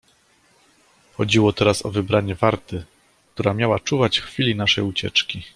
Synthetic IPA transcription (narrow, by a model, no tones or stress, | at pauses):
xɔd͡ʑiwɔt̪ɛɾasɔ̰vɘbɾaɲɛvaɾt̪ɘ | k̚t̪uɾamʲjawat͡ʂuvat͡ɕxfʲilʲinaʂɛjut͡ɕɛ̰t͡ʂkʲi